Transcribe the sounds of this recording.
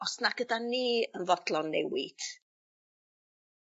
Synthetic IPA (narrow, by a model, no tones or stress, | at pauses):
ɔsnaɡədaniːənvɔdlˠɔnːɛwid̥